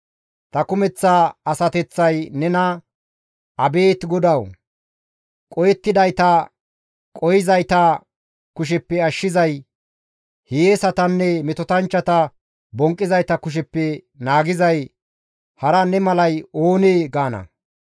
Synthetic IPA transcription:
t̪ɐkʊmɛt͡sːaɐsɐt̪ɛt͡sːɐjnɛnɐ | ʔɐbe̞ːt̪ɡɔd̪ɐw | kʼɔjɛt̪ːɪd̪ɐjt̪ɐ | kʼɔjɪzɐjt̪ɐ | kʊʃ̬ɛpːɛɐʃːɪzɐj | hejesɐt̪ɐnːɛmɛt̪ɔt̪ɐnt͡ʃːɐt̪ɐ | bɔŋkʼːɪzɐjt̪ɐkʊʃ̬ɛpːɛ | naːɡɪzɐj | hɐɾɐnɛmɐlɐjoːneːɡaːnɐ̰

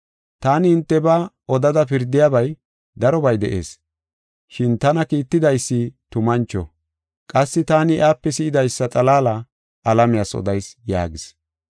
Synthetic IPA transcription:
t̪aːnɪɪnt̪ːɛbɐ | ɔd̪ɐd̪ɐpɪɾd̪ɪjaːbɐj | d̪ɐɾɔbɐjd̪ɛ̰ʔe̞̰ːs | ʃɪnt̪ɐnɐkiːt̪ːɪd̪ɐjsːɪt̪ʊmɐnt͡ʃːɔ̰ | kʼɐsːɪt̪aːnɪʔaːpːɛsɪʔɪd̪ɐjsːɐt̪ʼɐlaːlɐ | ʔɐlɐmɪjaːsɔ̰d̪ɐjsja̰ːɡɪs

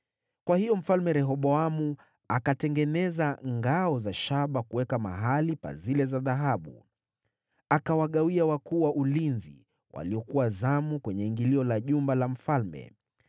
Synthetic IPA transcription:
kwahijɔm̩falmɛɾɛɦɔɓɔamu | akatɛŋɡɛnɛzaŋɡaɔzaʃaɓakuwɛkama̰ɦalipa̰zilɛzaðaɦaɓṵ | akawaɠawiawakuːwaʔulinzḭ | wʔa̰liɔkuwazamukwɛɲɛiŋɡiliɔlaʄumbalam̩falmɛ̰

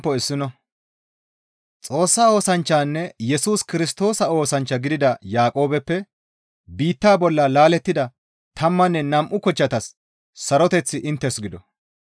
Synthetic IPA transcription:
pːɔɪsːɪnɔ | t͡sʼo̞ːsːaːo̞ːsɐnt͡ʃːaːnːɛjɛsuːskɪɾɪst̪o̞ːsɐo̞ːsɐnt͡ʃːɐɡɪd̪ɪd̪ɐjaːkʼo̞ːbɛpːɛ | biːt̪ːaːbɔlːɐlaːlɛt̪ːɪd̪ɐ | t̪ʰɐmːɐnːɛnɐmʔʊkɔt͡ʃːɐt̪ɐsː | ɐɾɔt̪ɛt͡sːɪʔɪnt̪ːɛsɡɪd̪ɔ

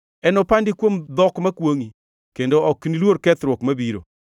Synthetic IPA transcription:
ɛnɔpandɪkwomd̪ɔkmakwoŋi | kendoɔknilwoɾkɛt̪ɾwokmabiɾo̰

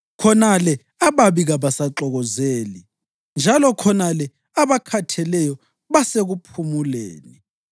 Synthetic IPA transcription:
kʰɔnalɛ | aβaβiɣaβasaǁɔɣɔzeːli | nd͡ʒʱalɔkʰɔnalɛ | aβakʰatʰɛlɛjɔ | βaseɣupʰumulḛːni

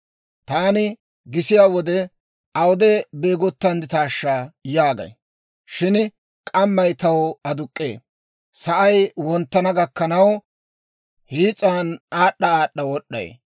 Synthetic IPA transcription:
t̪aːnɪ | ɡɪsɪjaːwɔd̪ɛ | ʔɐwʊd̪ɛbeːɡɔt̪ːɐnd̪ɪt̪aːʃːaːjaːɡɐ̰j | ʃɪn | kʼɐmːɐjt̪ɐwɔɐd̪ʊkʼːḛː | sɐʔɐjwɔnt̪ːɐnɐɡɐkːɐnɐw | hiːt͡sʼːaːnaːɗːɐaːɗːɐwɔɗːɐ̰j̰

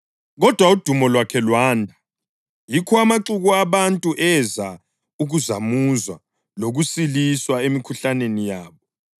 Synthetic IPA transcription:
ɣɔd̥ʱwaud̥ʱumɔlwakʰɛlwaːndʱa | jikʰɔamaǁuɣuaβantʼuʔɛza | uɣuzamuzwa̰ | loɣusiliswaemikʰuɬanenijaːβɔ

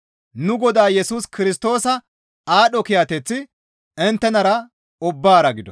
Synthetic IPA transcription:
nʊɡɔd̪aːjɛsuːskɪɾɪst̪o̞ːsɐ | aːɗɔkɪjat̪ɛt͡sːɪ | ɪnt̪ːɛnɐɾɐ | ʊbːaːɾɐɡɪd̪ɔ

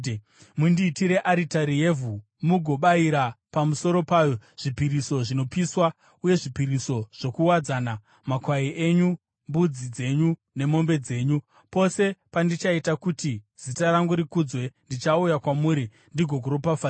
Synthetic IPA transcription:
mundiːtiɾe̞ʔaɾitaɾije̞vu | muɡʱo̞ɓaiɾapamuso̞ɾo̞paːjo̞ʐ̥ipiɾiso̞ʐino̞piswa | uje̞ʐipiɾiso̞ʐ̥o̞kuwad͡zana | makwaiʔe̞ɲu | mbud͡zid͡ze̞ɲu | ne̞mo̞mbe̞d͡ze̞ːɲu | po̞se̞pandit͡ʃaitakutiz̥itaɾaŋɡuɾikud͡zwe̞ndit͡ʃaujakwamuːɾi | ndiɡʱo̞ɡʱoɾopafa

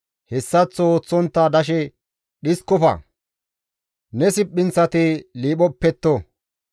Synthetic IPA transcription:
hɛsːɐt͡sːɔoːt͡sːɔnt̪ːɐd̪ɐʃ̬ɛ | ɗɪskɔfɐ̰ | nɛsɪpʼːɪnt͡sːɐt̪ɪliːɓɔpːɛt̪ːɔ

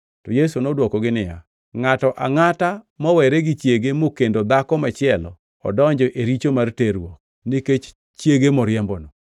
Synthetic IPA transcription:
tɔjes̬unɔdwɔkɔɡɪnɪja̰ | ŋatɔʔa̰ŋata | mɔwɛɾɛɡɪt͡ʃjeɡemokendod̪akɔmat͡ʃɪɛlɔ̰ | ɔ̰dɔɲd͡ʒɔʔeɾit͡ʃomarteɾwɔk̚ | nɪket͡ʃ | t͡ʃjeɡemɔɾjɛmbɔnɔ

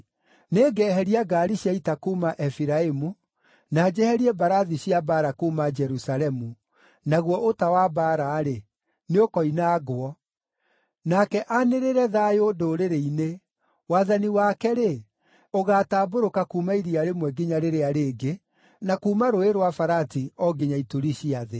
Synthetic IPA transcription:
neːɡɛːɦɛɾiaɡaɾiɕiaitakuːmaʔɛfiɾaemu | naːd͡ʒɛhɛɾiɛbaɾaðiɕiabaɾakuːmad͡ʒɛɾusalɛmu | naɣwɔʔotawabaɾaːɾe | neokɔinaːɡoɔ | nakɛʔaneɾeɾɛðaːjodoɾeɾeine | waːðaniwakɛɾe | oɣaːtaːboɾokakuːmaiɾiaɾemwɛɡiɲaɾeɾeaɾeːɡe | nakuːmaɾoeɾwafaɾatiɔɡeɲaitoɾiɕiaðe

